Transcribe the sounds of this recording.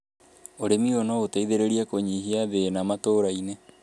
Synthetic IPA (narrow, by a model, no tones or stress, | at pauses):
oɾemionootaiðeɾeɾiakoɲiɦiaβenamatoɾaine